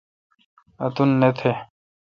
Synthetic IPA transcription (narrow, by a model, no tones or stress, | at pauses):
ɐt̪unːet̪ʰe